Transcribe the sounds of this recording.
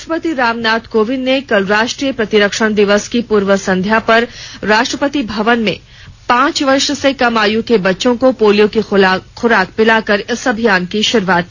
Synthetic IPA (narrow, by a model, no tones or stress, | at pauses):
ʃʈɾəpət̪iɾaːmnaːt̪koːʋɪnːekɐlɾaːʃʈɾijəpɾɐt̪ɪɾəkʃəɽ̃d̪ɪʋəskipuːɾʋəsɐ̃nd̪ʱjapɐɾɾaːʃʈɾəpət̪ibʱɐʋənmḛ̃ | pãːt͡ʃʋɐɾʃsekɐmaːjũkebɐtːʃõkopoːlijõkixʊɾaːk̚pɪlakɐɾɪsɐbʱijaːnkiʃɪɾʋaːt̪̚ː